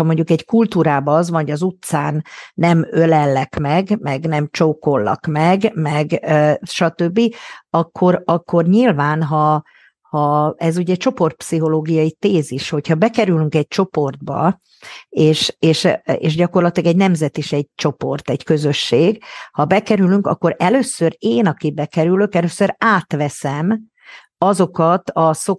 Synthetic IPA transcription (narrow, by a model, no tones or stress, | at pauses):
ɒmo̞ɲɟukɛɟkult̪uːɾaːbɒɒzʋɒoɟɒzut̪saːnːɛmølɛlːɛkmɛɡmɛɡnɛmt͡ʃoːko̞lːɒ̰kmɛɡmɛɡøʃɒt̪ø̞bːiɒkʰːo̞ɾɒkʰːo̞rɲilvaːnɦɒ | hɒɛzuɟɛc̚t͡ʃo̞po̞rt̪̚psiɦo̞loːɡijɒit̪eːziʃho̞chɒbɛkɛɾylyŋkɛɟ̚t͡ʃo̞po̞rd̪bɒ̰ | eːʃeːʃḛːʃɟɒko̞rlɒt̪ilɒɡɛɟnɛmzɛt̪iʃɛɟ̚t͡ʃo̞po̞rt̪ɛɟkø̞zø̞ʃːeːɡhɒbɛkɛɾylyŋkɒ̰kːoɾɛløːsøɾeːnɒkibɛkɛɾyløkɛløːsøɾaːt̪ʋɛsɛm | ɒzo̞kɒt̪ɒso